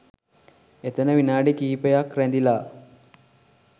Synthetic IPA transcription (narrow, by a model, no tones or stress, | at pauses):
et̪ənəʋinaːɖikiːpəjakɾænd̪ilaː